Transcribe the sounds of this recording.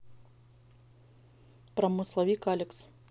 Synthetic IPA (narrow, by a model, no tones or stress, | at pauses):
pɾɐmɨslˠɐvʲikalʲɛks